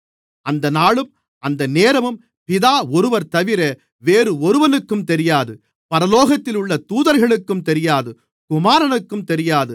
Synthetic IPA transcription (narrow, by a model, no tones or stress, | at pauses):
ʔɐnd̪ɐnaːɭɯm | ɐnd̪ɐneːɾɐʋɯm | pɪðaːɔɾɯʋɐɾt̪ɐʋɪɾɐ | ʋeːɾɯɔɾɯʋɐnɯkːɯmt̪ɛɾɪjaːðɯ | pɐɾɐloːɣɐt̪ːɪlʊɭːɐt̪uːðɐɾɣɐɭɯkːɯmt̪ɛɾɪjaːðɯ | kʊmaːɾɐnɯkːɯmt̪ɛɾɪjaːðɯ